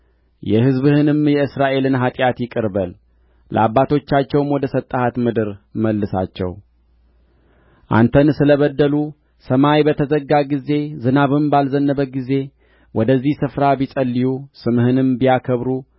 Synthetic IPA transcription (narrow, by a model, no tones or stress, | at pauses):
jɛhɨzbɨhɨnɨmjɛɨsɾaʔe̞lɨnɦat̪ʼjat̪jɪkʼɨɾbəl | ləabːat̪ʰo̞t͡ʃːat͡ʃːɛwmwɔd̪əsət̪ʼːəhat̪mɨd̪ɨɾməlːɨsa̰t͡ʃːɛ̰w | ʔa̰nt̪ʰənsɨləβəd̪ːəlu | səmawjbət̪ʰəzəɡːaɡize̞zɨnaβɨmbalzənːəβəɡize̞ | wʔɔd̪əzːihsɨfɾabisʼəlːijusɨmhɨnɨmbijakʰəβɾu